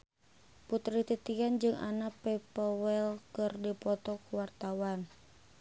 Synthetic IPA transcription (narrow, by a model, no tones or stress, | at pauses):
put̪ɾit̪it̪iand͡ʒɨŋa̰napɛpɔwɛlkɨrdipɔt̪ɔkuwart̪awan